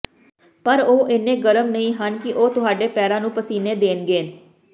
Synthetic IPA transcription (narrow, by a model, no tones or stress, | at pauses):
pəɾoːʔɪnẽːɡəɾəmnəɦĩːɦənkɪʔoːt̪ʊɦaːɖeːpɛːɾãːnũːpəsiːneːd̪eːnɡeːn